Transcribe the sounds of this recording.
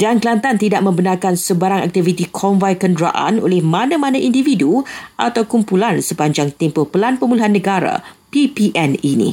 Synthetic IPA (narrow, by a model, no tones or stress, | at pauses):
danklant̪ant̪idaʔ̚mə̃mbənarkansəbaɾaŋa̰k̚t̪ivit̪ikʰɔnvajkəndɾa̰ʔa̰no̰lɪhmãnãmãnãʔindividuʔa̰t̪awkumpulansəpaɲd͡ʒaŋt̪empʊhpəlanpəmulaɦanːə̃ɡaɾa̰pipiʔɛninḭ̃